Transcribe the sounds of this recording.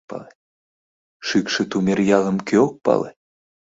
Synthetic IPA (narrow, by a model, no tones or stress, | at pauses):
pɑ̰le | ʃykʃĕt̪umʲerjɑlə̆mkøok̚pɑ̰lḛ